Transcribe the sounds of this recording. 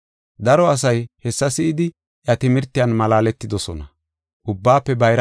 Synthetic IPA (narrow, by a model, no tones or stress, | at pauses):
d̪ɐɾɔɐs̬ɐjhɛsːɐsɪʔɪd̪ɪ | ʔjɐt̪ɪmɪɾt̪ːɪjɐnmɐlaːlɛt̪ːɪd̪ɔsɔnɐ | ʔʊbːaːpːɛbɐjɾ